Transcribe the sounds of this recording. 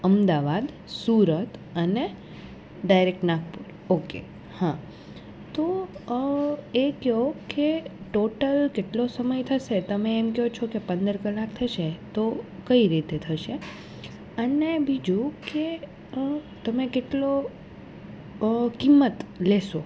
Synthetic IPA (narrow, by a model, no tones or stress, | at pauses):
əmd̪aʋad̪ | suɾət̪əne | ɖajɾek̚ʈnakpuɾ | okḛ | hã | t̪o | ekjokeʈoʈəlkeʈlosəməjt̪ʰəʃet̪əmeːmkjɦot͡ʃʰokepə̃nd̪əɾkəlːakt̪ʰəʃet̪okəiɾit̪et̪ʰəʃe | ənebid͡ʒũke | t̪əmekeʈlo | kimːət̪leʃo